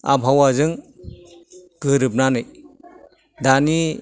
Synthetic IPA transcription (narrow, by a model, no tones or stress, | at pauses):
a̰bʱawazɯŋ | ɡ̥ɯɾɯp̚nanɯj | dani